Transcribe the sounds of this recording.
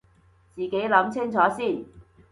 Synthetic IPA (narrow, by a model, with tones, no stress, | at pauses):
t͡siː˨˩ke˨˥jlɐ˨˥mt͡sʰɪ˥ŋt͡sʰɔː˨˥siː˥˩n